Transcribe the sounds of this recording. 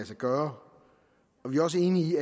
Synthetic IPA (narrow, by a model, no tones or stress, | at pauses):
æsɐɡ̥ɶːɐ | ɒ̽ʋiɐɒ̽s̬əe̝ːniiæ